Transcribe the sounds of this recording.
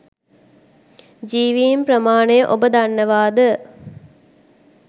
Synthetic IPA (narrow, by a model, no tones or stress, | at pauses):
d͡ʒiːʋiːmprəmaːɳejəʔobəd̪anːəʋaːd̪ə